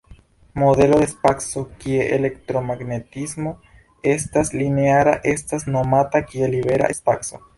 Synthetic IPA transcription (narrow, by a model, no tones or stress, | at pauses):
moðeloðespaksokieʔelekt̪ɾomaɡnet̪izmo̞ | est̪aslineaɾaʔe̞st̪asnomat̪akieliβeɾa̰ʔespakso